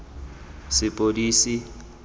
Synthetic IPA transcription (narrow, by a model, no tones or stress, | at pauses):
sɪpʼodiːsi